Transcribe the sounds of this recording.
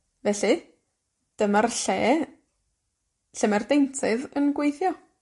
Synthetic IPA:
vɛɬi | d̥əmarɬeː | ɬəmardejntʰɨðənɡwejθjɔ

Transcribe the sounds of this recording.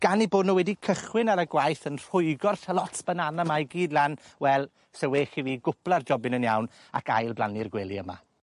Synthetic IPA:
ɡ̥aniboːdⁿnuːwɛdikʰəχwɪnaɾəɡwajθənr̥ʊɨɡɔrθəlˠɔtʰb̥ənanamajɡiːdlˠanwɛlˠ | seweːχiviːɡʊplˠard͡ʒɔbɪnənjawn | a̰kʰa̰jlˠblˠanirɡwɛlˠiəma̰

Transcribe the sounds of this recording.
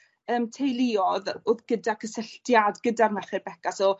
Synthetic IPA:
əːmtʰejlˠɪɔðʊðɡədakʰəsəɬtjadɡədarmaχɪrb̥ɛɡasɔ

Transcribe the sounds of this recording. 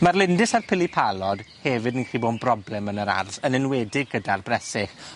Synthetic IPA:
marlˠɪndɪsarpʰɪlipʰalˠɔd̥hɛvɪdninχiːboːdbrɔblɛmənəɾa̰rθənɪnwɛdɪɡɡədarbrɛsɪχ

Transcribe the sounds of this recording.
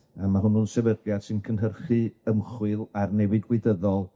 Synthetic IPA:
amaɦʊnunsɛvədjad̥sɨnkʰənɦərχɨəmχwɨlˠarnɛwɨdɡweɨdəðɔlˠ

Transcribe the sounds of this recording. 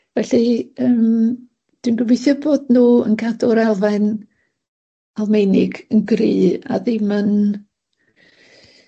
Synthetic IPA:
vɛɬiəːm | d̥winɡəvejθɔboːdnuːə̰nɡʰadɔɾalˠvan | alˠmejnɪɡənɡriːa̰ðɪmən

